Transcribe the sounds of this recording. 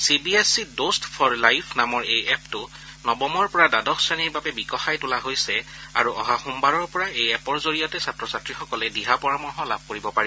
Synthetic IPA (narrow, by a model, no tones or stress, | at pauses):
sibiesidostpʰɔɹlajpʰnamɔɹejɛptʊ | nɔbɔmɔɹpɔɹadadɔkʰsaniɹbabɛbikɔxajtʊlaɦojsɛ | a̰ɹuʔɔɦaxumbaɹɔɹpɔɹaejɛpɔɹzoɹijɔtɛsatɹɔsatɹixɔkɔlɛdiɦapɔɹamɔɦɔlab̚ʱkoɹibɔpaɹiɔ